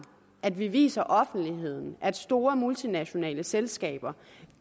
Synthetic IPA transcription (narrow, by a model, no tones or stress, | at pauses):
ʔæd̥ʋiʋḭːsɐʔɒ̽fn̩d̥liɦe̝ð̞̰ˠn̩ʔæd̥sd̥o̝ːɐmult͡sʰinæɕo̝nɛ̰ːləselsɡ̥ɛ̰ːb̥ɐ